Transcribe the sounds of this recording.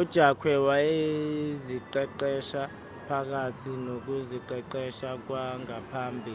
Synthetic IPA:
ud̥ʒ̥ʱakʰwɛwaeziǃɛǃɛʃa | pʰak̬ʼatʰinok̬uziǃɛǃɛʃak̬waŋɡapʰaːmbʱi

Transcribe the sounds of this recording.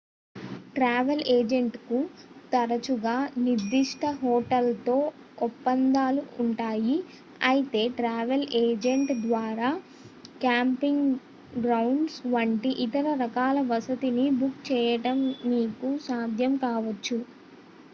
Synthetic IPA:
ʈɾaːʋeleːd͡ʒeɳʈkut̪ɐɾɐt͡ʃuɡaːniɾd̪iʂʈɐɦɔːʈɐlt̪o̞ː | ɔpːɐnd̪aːluːɳʈaːji | ɐjit̪e̞ːʈɾaːʋeleːd͡ʒeɳʈd̪ʋaːɾaː | kjaːmpiŋɡ | ɡɾɐwɳɖsʋɐɳʈiʔit̪ɐɾɐɾɐkaːlɐʋɐsɐt̪inibukt͡ʃɛːjɐʈɐmniːkusaːd̪ʱjɐmkaːʋɐt͡ʃːu

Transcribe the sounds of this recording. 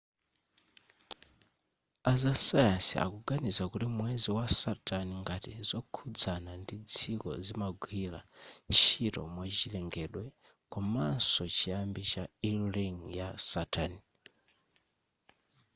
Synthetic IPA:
azasajasḭa̰kuɡanizakuɾimwɛziwasatʰʼaniŋɡatḭzɔkʰud͡zanandid͡zʰikɔ̰zimaɡʱwiːlant͡ʃʰitɔ̰mwat͡ʃilɛŋɡɛɗwɛ | kɔmansɔt͡ʃʰiambit͡ʃailliŋjasatʰani

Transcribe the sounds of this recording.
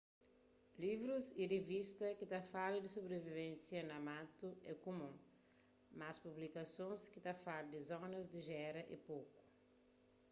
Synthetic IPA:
livɾuziɾevist̪ɐkɪt̪afaɾd̪ɪsobɾevivẽnsjɐnɐmat̪ʊɛkomũ | maspublikɐsõskɪt̪afaɾd̪ɪzɔ̃nɐzd̪ɪʒɛɾɐʔḭpowkʊ̥

